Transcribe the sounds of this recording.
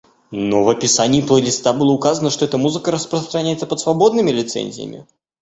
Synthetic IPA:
nɔvɐpʲɪsanʲɪːplˠəlʲɪst̪abɨlˠəukazənəʂt̪ɔɛt̪əmuzɨkəɾəspɾəst̪ɾanʲajɛt̪səpət̪svabɔd̪nɨmʲɪlʲɪt̪sɛ̰nʲzʲɪ̰jə̰mʲɪ̰

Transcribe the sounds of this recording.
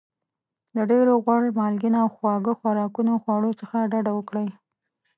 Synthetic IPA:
d̪əɖeɾoɣwaɽmɑlɡinaawxwɑɡəxwaɾɑkunoxwaɽot͡səxaɖaɖawəkɽaj

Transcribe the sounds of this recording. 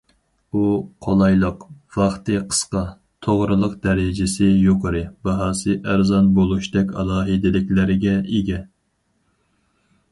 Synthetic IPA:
uqʰolˠɑjlˠəqvɑχt̪ɨqʰə̥sqɑ | t̪ʰoʁɾɨlˠəqd̪ɛɾɪd͡ʒɪsɪjoqʰəɾɨbɑɦɑːsɨʔæɾzɑnbolˠuʃd̪ɛkʲɑ̰lˠɑːɦɨd̪ɪlɪkʲlɪɾɪɡʲɛeɡʲɛ

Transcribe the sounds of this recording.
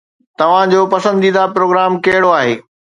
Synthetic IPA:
t̪ɐʋ̤ãd͡ʑoːpɐsə̃nd̪iːd̪apɾoːɡɾaːmkɐɦɪɽoaːɦḛː

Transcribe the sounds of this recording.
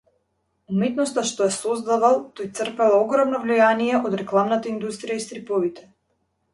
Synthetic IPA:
umɛt̪nɔst̪aʃt̪ɔjasɔzd̪avalˠt̪ojt̪sr̩pɛlˠaɔɡɾɔmnɔvlijanijɛʔɔd̪ɾɛklˠamnat̪aind̪ust̪ɾijaist̪ɾipɔvit̪ɛ̥

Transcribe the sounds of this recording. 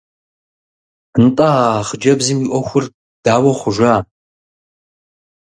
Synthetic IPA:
nɨtʼaχd͡ʒɐbzɨmiʔʷɔxʷʊr | d̥aːwɐχʷʊʒʷaː

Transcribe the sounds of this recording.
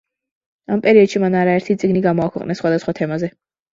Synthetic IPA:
ampʼɛɾiɔd̪̥ʃimanaɾaɛɾt̪ʰit̪sʼiɡniɡamɔakʰɛ̰qʼnɛsːχwad̪asχwat̪ʰɛmazɛ

